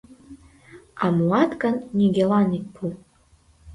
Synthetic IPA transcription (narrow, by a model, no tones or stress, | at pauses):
ɑmulɑt̪kɑnnʲiɡʲelɑnik̚pʰu